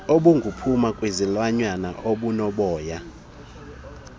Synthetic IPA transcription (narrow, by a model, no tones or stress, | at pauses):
oɓuŋɡʱupʰumakʼwezilwaɲwanaʔoɓunɔɓɔːja